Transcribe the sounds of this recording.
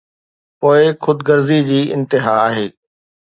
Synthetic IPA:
poːɪxʊd̪ɡɐɾzid͡ʑiːɪ̰̃nt̪ɪɦaaːɦeː

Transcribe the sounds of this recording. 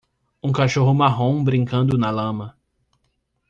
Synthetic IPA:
ũkaʃoɦʊmaɦõw̃bɾĩŋkɐ̃nd̪ʊnɐlɐ̃mɐ

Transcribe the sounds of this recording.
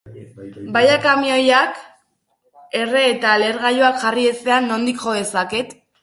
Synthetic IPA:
bajakamiojak | e̞re̞ːt̪ale̞ɾɣajoakʝarie̞se̞anːo̞nd̪ikʝo̞ðe̞saket̪

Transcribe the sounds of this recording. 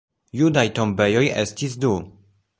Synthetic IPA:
judajto̞mbe̞jo̞jḛstis̬du

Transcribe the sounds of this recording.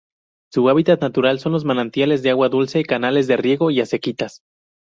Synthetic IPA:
suaβ̞it̪at̪nat̪uɾalso̞nlo̞zmanant̪jale̞zðeaɣwaðulse̞kanale̞zðe̞rje̞ɣo̞iase̞kit̪as

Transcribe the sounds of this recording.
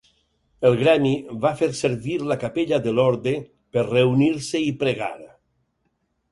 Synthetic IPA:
elˠɣɾaniβafeɾseɾβiɾlakapeʎaðelɔɾde | peɾreuniɾseipɾeɣa̰ɾ

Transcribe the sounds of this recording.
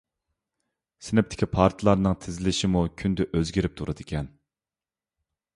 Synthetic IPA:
sɪnɪp̚t̪ʰɪ̥kʲʰipʰɑɾt̪ʰɨlˠɑɾnɨŋt̪ʰɪzɪlɪʃɪmukʲʰynd̪ɪʔøzɡʲiɾɪp̚t̪ʰuɾɨd̪ɪkʲʰɛn

